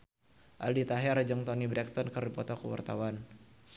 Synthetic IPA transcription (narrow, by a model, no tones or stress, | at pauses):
ʔaldit̪aɦɛɾd͡ʒɔŋt̪ɔnibɾɛkst̪ɔnkɨrdipɔt̪ɔkəwa̰rt̪a̰wan